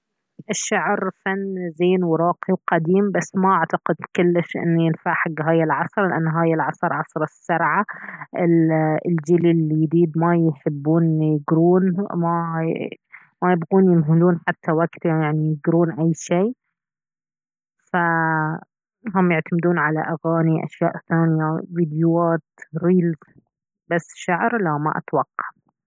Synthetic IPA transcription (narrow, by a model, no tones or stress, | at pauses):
ʔɪʃːaʕɾfanːzeːnwɾˤɑːqiwqɑd̪iːmbasːmaʔaʕt̪ɑqɪd̪kʊlːɪʃʔɪ̰nːjɪnfaʕħaɡːɦaːjɪlʕɑsˤɾˤlɪʔanːɦaːjɪlʕɑsˤɑɾˤʕɑsˤɾˤɑsːɑɾˤʕaʔɪlld͡ʒililːijd̪iːd̪majħɪbːuːnjɪɡɾuːnma | majɪbɣuːnjɪmɦɪluːnħat̪ʰːawaɡt̪jajaʕnijɪɡɾuːnʔajːʃeː | fa | ɦʊmːjɪʕt̪amɪd̪uːnʕalaʔaɣaːniʔa̰ʃjaːʔθaːnɪjaviːd̪jʊaːt̪ɾiːlz | basːʃaʕɾlawma̰ʔa̰t̪wɑqːɑ̥ʔ